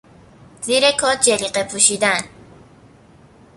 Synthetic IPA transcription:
ziːɾekʰɒd͡ʒeliqepʰuʃid̪æn

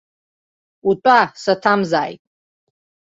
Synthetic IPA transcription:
utʷʼasatʰamzaːjtʼ

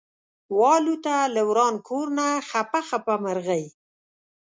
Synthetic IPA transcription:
wɑlut̪alawɾɑnkʰoɾnaxapaxapamaɾɣaj

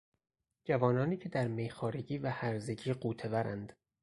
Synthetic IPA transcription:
d͡ʒævɒːnɒːniːcʰe̞d̪æɾmejxɒːɾeɟiːvæhæɾze̞ɟiːɢuːt̪ʰe̞væɾænd̪̥

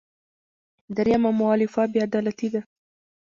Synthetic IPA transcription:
d̪aɾjamamʊɑlɪfabjɑad̪ɑlat̪id̪a

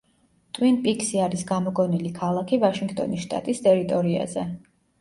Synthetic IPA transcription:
t̪ʼwinpʼikʰsiaɾisɡamɔɡɔnilikʰalˠakʰivaʃiŋɡt̪ʼɔ̰nisʃt̪ʼa̰t̪ʼist̪ʼɛɾit̪ʼɔɾia̰zɛ

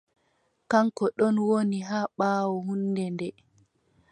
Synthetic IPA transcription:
kaŋkɔɗɔnwoniɦaːɓaːwɔhunːdɛndɛ

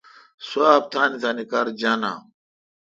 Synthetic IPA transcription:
swaːb̚t̪ʰaːnit̪aːnikaɾd͡ʑana̰ː

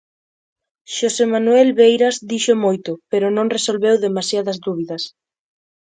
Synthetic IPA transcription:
ʃosemanuɛlβejɾazd̪iʃʊmojt̪ʊpeɾʊnõŋresolβewðemasjaðɐzd̪uβiðɐs

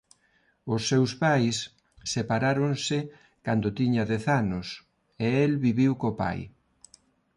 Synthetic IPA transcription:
ʊsːewspajsː | epaɾaɾonsɪ | kand̪ʊt̪iɲaðɛθanʊs | eelβiβiwkopa̰j

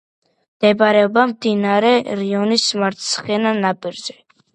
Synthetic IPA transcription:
md̪̥ɛbɾɛɔbamd̪inaɾɛɾiɔnismaɾt̪ʰsχɛnanapʼiɾzɛ

